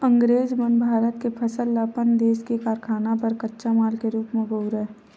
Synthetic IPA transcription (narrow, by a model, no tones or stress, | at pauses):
ə̃ŋɡɾeːd͡ʒmənbʱaːɾət̪kepʰəsəlːaːpənd̪eːskekaːɾkʰaːnapəɾkətːʃamaːlkeɾuːpmẽɡəʊɾɦɛː